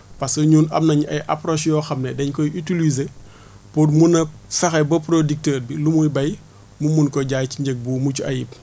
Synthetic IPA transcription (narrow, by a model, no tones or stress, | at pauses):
pɐsɐɲuːnɐ̰mnɐɲɐjʔɐ̰pɾɔːsjɔxɐmnɛdɛɲkɔjytilize | podmunɐsɐxɐbɐpɾodik̚təːɾbilumujbɐj | mumunkɔɟaːjciɲɟɛɡ̚bumucuɐjip̚